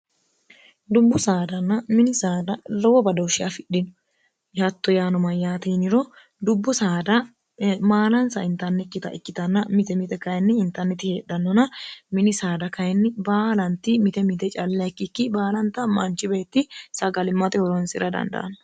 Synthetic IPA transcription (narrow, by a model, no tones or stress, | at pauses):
d̪ʊbːʊsaːd̪ɐnːɐmɪnɪsaːd̪ɐlɔwɔbɐd̪ɔʊʃɪjafɪɗːɪnɔ | jhɐt̪ːɔjaːnɔmɐjːaːt̪iːnɪɾɔ | d̪ʊbːʊsaːd̪ɐ | maːlɐnsɐɪnt̪ɐnːɛkːɪt̪ɐʔɪkːɪt̪ɐnːɐmɪt̪ɛmɪt̪ɛkɐjɛnːɪɪnt̪ːɐnːɛt̪ɪheːɗɐnːɔnɐmɪnɪsaːd̪ɐkɐjnːɪbaːlɐnt̪ːɪmɪt̪ɛmɪt̪ɛt͡ʃʼɐlːɐkːɪkːɪbaːlɐnt̪ːɐmɐnt͡ʃːɪbe̞ːt̪ːɪsɐɡɐlɪmːɐt̪ɛhɔɾɔnsɪɾʔɐd̪ɐ̰nd̪ɐ̰ʔɐ̰nɐ